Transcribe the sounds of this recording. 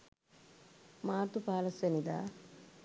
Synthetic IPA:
maːɾt̪upaːlɐsenid̪a̰ː

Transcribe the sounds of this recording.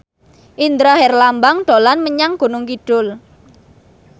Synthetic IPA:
ʔind̪ɾaɦɛrlambaŋd̪̥o̤lanməɲaŋɡ̥o̤nʊŋkiɖ̥ʊl

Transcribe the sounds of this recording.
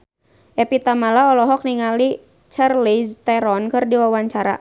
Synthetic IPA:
ʔɛpit̪amalaɔlɔɦɔk̚niŋali | t͡ʃarlist̪ɛɾɔnkɨrdiwawaɲt͡ʃaɾa̰

